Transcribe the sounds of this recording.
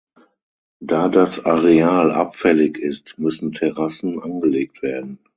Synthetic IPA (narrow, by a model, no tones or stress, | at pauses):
d̥aːdasaʁeaːlʔa̰pfɛlɪçɪstmʏsn̩tʰɛʁasn̩ʔanɡəleːk̚tv̥eːɐdn̩